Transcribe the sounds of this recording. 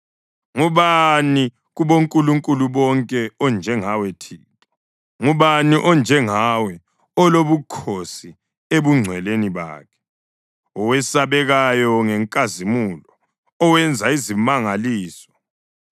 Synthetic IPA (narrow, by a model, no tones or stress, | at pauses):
ŋuβani | ɣuβoŋkʼuluŋkʼuluβɔŋkʼɛɔnd͡ʒʱɛŋawɛtʰiːtʼɔ̥ | ŋuβaniʔɔnd͡ʒʱɛŋawɛ | ɔloβukʰosi | eβuŋ͡ǀʱwɛleniβa̰ːkʰɛ̥ | ɔwɛsaβɛɣajɔŋɛŋkʼazimulɔː | wɛnd͡zʱaizimaŋaliːsɔ̥